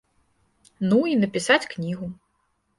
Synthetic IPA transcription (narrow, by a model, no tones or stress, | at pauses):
nuinɐpʲisat͡sʲknʲiɣu